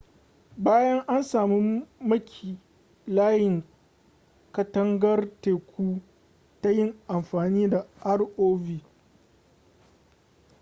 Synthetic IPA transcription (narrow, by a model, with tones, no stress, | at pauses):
baː˦jɐ˦ŋʔa˦nsaː˨mi˦mɐ˦kʲʰiː˨ | laː˦jɪ˨ŋ | kɐ˨tɐ˦ŋɡɐ˦rteː˨kʷuː˦ | ta˦jɪ˦ŋʔa˨mɸaː˨niː˦da˨ʔa˦rʔoː˦viː˦˨